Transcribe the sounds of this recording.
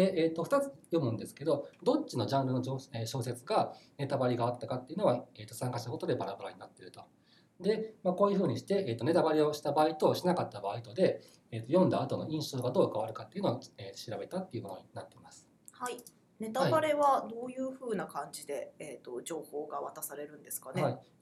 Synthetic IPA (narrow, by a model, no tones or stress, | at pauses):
d̪e̞ʔeːt̪ːo̞ɸɯ̟̥t̪at͡sɨ̥jo̞mɯ̟̃nd̪e̞sɨ̥ke̞d̪o̞d̪o̞t͡ɕːino̞ʑãnɾɯ̟no̞oeɕo̞ːset͡sɨɡane̞t̪abaɾʲiɡaːt̪ːakat̪ːejiɯ̟noaeːt̪ːo̞sãŋkaɕit̪ako̞t̪o̞d̪e̞baɾabaɾaɲinat̪ːe̞ɾɯ̟t̪o̞ | d̪e̞mako̞ːjɯ̟ɸɯ̟ːɲ̟iɕi̥t̪e̞ʔeːt̪o̞ne̞t̪abaɾʲeo̞ɕi̥t̪abaːit̪o̞ːɕinakat̪ːabaːit̪o̞d̪e̞ | eːt̪ːojõ̞nd̪aːt̪o̞no̞ĩɰ̃ɕo̞ːɡad̪o̞ːkaβaɾɯ̟kat̪ːe̞iɯ̟noeːɕiɾabe̞t̪at̪ːe̞iɯ̟mo̞no̞̰ɲinat̪ːe̞imasɨ̥ | hai | ne̞t̪aaibaɾe̞βad̪o̞ːjɯ̟ːɸɯ̟ːnakãɲd͡ʑid̪e̞eːt̪o̞d͡ʑo̞ːhoːɡaβat̪asaɾe̞ɾɯ̟̃nd̪e̞sɨ̥kaneai